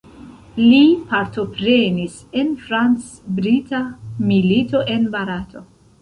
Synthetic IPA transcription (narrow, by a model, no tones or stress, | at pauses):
lipaɾto̞pɾe̞nis | e̞nfɾant͡sbɾitʰamilito̞ʔe̞nbaɾatʰo̞